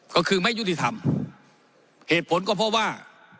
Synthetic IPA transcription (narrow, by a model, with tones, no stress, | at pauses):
kɔː˧˩kʰɯː˧ma˥˩ju˦˥t̪i˧˩t̪ʰa˧m | heː˨˩t̪̚pʰo˨˦nkɔː˧˩pʰɔ˧waː˧˥˩